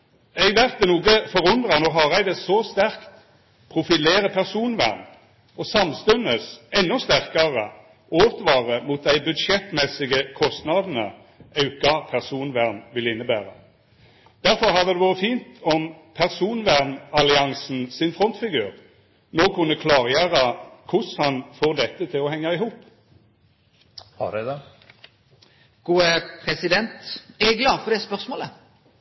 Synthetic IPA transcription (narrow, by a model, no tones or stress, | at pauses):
ɛɡʋæʁt̪d̪ɛnuːɡəfɔʁʊnd̪ʁɑnoːɦɑʁæɡd̪ɛsɔst̪æʁkt̪ | pʰʁʊfɪleːʁəpʰæʁsuːnʋæ̰ʁn | ɔsɑmst̪ʉnəsɛnːɔst̪æʁkɑʁə | oːt̪ʋɑːʁəmʊt̪̚d̪æɪbʉd̪ʃɛt̪mɛsɪɡəkʰɔst̪nɑd̪n̩ə̰ | ʔɑʉkɑpʰæʁsuːnʋæʁnʋɪləɪnːəbæ̰ːʁə̰ | d̪̥æʁfɔʁhɑʁd̪ɛd̪ɛʋoːʁəfiːnt̪ɔmpʰæʁsuːnʋæʁnɑlɪɑŋsn̩sɪnfʁɔnt̪fɪɡʉːʁ | noːkʰʉnːəkʰlɑːʁjæːʁɑkʰʊshɑnfoːʁd̪ɛt̪ːət̪ʰɪlɔɦɛŋːɑɪɦuːp | hɑ̰ɖɛd̪ɛ | ɡ̥uːəpʰɾɛsɪd̪ɛnt̪æɛɡlɑːd̪fɔʁd̪ɛspœʁsmoːlə